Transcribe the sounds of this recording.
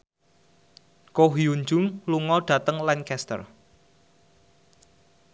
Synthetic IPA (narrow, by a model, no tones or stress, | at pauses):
koɦiuɲd͡ʒʊŋluŋɔɖ̥ä̤t̪əŋlɛnkɛst̪ə̰r